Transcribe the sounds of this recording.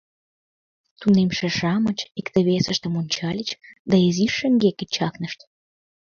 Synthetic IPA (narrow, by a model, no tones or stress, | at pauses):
t̪unemʃĕʃɑmət͡ɕikt̪ə̆βesəʃt̪ĕmunʲt͡ɕɑlʲət͡ɕd̪ɑeziʃːə̆ŋɡekə̆t͡ɕɑknəʃt̪